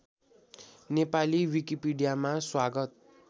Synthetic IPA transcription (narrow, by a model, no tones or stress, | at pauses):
nepaliwikipiɖijamaswaɡʌt̪̚